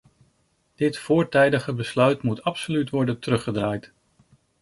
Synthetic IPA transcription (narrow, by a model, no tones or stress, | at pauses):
d̥ɪtfʊːɹtɛjdəχəbəslœɥtmutɑpsolytʋɔɹdəntərɵχədraːjt